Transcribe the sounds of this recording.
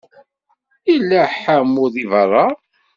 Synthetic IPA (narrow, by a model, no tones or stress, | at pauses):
ilːæħamːʊðivərˤːɑ